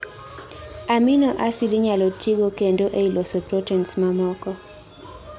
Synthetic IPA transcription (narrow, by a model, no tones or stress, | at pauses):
aminɔʔasid̪ɪɲalotiɡokendoʔeilosopɾotɛnsmamɔkɔ